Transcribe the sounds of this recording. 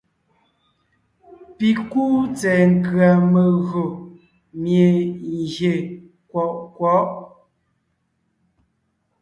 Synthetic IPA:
pi˨kuː˦t͡sɛː˨ŋ̩˨kɰa˨mə˨ɣɰo˨ | mje˨ɣje˨ | kwɔ˨ʔkwɔ˨˦ʔ

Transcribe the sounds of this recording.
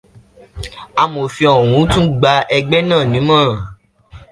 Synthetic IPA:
a˧mo˨fĩ˧ɔ˨w̃ũ˨˦tũ˦ɡ͡ba˧ʔɛ˧ɡ͡bɛ˦nãː˦˨nĩ˨˦mã˦ɾã˨

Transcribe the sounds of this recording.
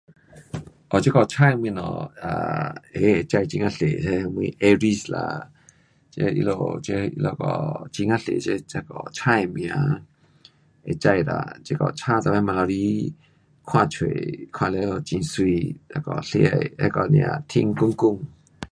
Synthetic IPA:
ʔɔ˨t͡ʃe˦kɔ˨t͡ʃʰa˦˧˨jmwĩ˧nɔ̰̃˨a̰˨e˨˦e˨t͡ʃa˧jt͡ʃi˧ŋã˧ɬe˨e˦˧m˧ĩ˧˦ʔe˧ɾi˧sla̰˧ | t͡ʃe˧˦ḭ˧lo˧˨t͡ʃe˧˦˧ḭ˧lo˧˨kɔ̰˨t͡ʃi˧˦ŋa˧ɬḛ˨t͡ʃe˦t͡ʃa˦kɔ˧˨t͡ʃʰa˦˧jmĩ˧ã˧˦ | e˨t͡ʃa˧˨jɾa̰˧˨t͡ʃe˦kɔ̰˧˨t͡ʃʰa˦t̪a˧˨ma˦˧˦mã˧lɔ˧ɾi˦ | kʰwã˦˧˨t͡ʃʰwe˨kʰwã˧le˧˦o˧˨t͡ʃĩ˧˨swi˧la˧˦kɔ˧˨ɬḭ˧a˧jḛ˦kɔ˨nḭ̃˧˨ã̰˨t̪ʰḭ̃˦˧˦ŋku˦ŋku˧˨ŋ

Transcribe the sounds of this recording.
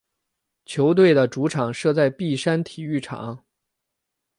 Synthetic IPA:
t͡ɕʰjo˧˥ʊt̪we˥˩ɪd̪ə˩ʈ͡ʂu˧˥ʈ͡ʂʰɑ˨˩ŋʂɤ˥˧t͡sa˥˧ɪpi˥˩ʂa˥nt̪ʰi˨˩y˥˩ʈ͡ʂʰɑ̰˨˩˦ŋ

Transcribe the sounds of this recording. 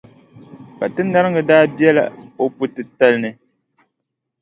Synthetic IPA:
ka˨tɨ˦nːa˦ɾɨ˦ŋɨ˨daː˦bi˦ɛ˦la̰˨o˦pu˦tɨ˨ta˦lnɨ˦

